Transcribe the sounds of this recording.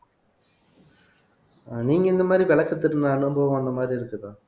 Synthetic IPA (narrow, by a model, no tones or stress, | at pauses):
niːŋinːɐmaːɾiʋeɭɐkːɐt̪ːiɾunːɐðaːɳɨemboːɐnːɐmaːɾiiɾukːɐðɐ